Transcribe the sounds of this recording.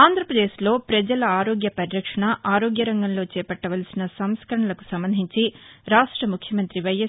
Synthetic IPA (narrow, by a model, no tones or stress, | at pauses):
aːnd̪ʱɾɐpɾɐd̪eːʃlo̞ːpɾɐd͡ʒɐlɐaːɾoːɡjɐpɐɾiɾɐkʂɐɳɐʔaːɾo̞ːɡjɐɾɐŋɡɐnlo̞ːt͡ʃɛːpɐʈːɐʋɐlɐsinɐsɐmskɐɾɐɳɐlɐku̥sɐmbɐnd̪ʱiɲt͡ʃiɾaːʂʈɾɐmukʰjɐmɐnt̪ɾiʋɐjɐ